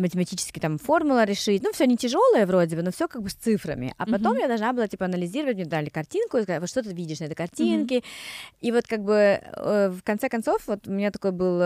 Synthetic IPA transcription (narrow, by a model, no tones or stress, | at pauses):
mətʲɪmɐtʲit͡ɕɪ̥skʲɪjt̪amfo̞rmʊlˠəɾʲɪʂɨtʲnufsʲonʲɪtʲɪʐo̞lˠəjəvro̞dʲɪbəno̞fsʲo̞kaɡ̚bɨsʲt̪sɨfɾə̰mʲɪ̰ʔɐ̰pɐt̪o̞mjad̪ɐlˠʐnabɨlˠatʲipəɐnəlʲɪzʲiɾəvətʲmʲɲʲed̪ɾalʲɪkɐrtʲinkʊjs̬kzavot̪ʂt̪ot̪ɨvʲidʲɪʂnɐɛt̪əjkɐrtʲinkʲɪivo̞t̪kaɡ̚bɨ | fkɐnt̪sɛkɐnt̪so̞fvo̞t̪ʊmʲɪnʲat̪ɐko̞jbɨlˠ